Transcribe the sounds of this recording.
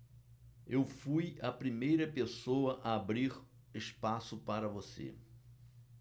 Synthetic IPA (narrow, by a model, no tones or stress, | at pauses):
ewfujɐpɾimejɾɐpesowɐʔaabɾiɾ | ɪspasʊpaɾɐvosḛ